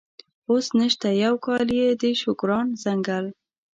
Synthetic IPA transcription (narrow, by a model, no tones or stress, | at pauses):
osnəʃt̪ajawkɑljed̪əʃʊkɾɑnzaŋɡal